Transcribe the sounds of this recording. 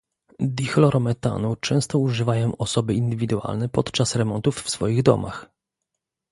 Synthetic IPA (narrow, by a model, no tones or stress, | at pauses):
d̪ixlɔɾɔmɛt̪a̰nut͡ʂɛ̃w̃st̪ɔuʐɘvajɔ̃w̃ʔɔsɔbɘind̪ɘvʲid̪ua̰lnɛpɔt̪t͡ʂasɾɛmɔnt̪ufːsfɔjiɣd̪ɔ̰mʔa̰x